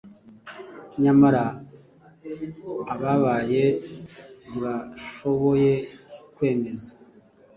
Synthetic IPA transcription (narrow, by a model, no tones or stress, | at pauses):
ɲamaɾa | βaβaːje̞ | iβaʃo̞βo̞je̞kwe̞ːme̞za